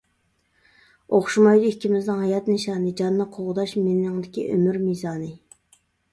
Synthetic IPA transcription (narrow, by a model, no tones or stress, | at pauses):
oχʃumɑjd̪ɨikʲʰːimɪznɪŋɦɑjɑt̪nɪʃɑːnɨd͡ʒɑnːɨqʰoʁʊd̪ɑʃmɪnnɪŋd̪ɪkʲiʔø̰myɾmizɑːnɨ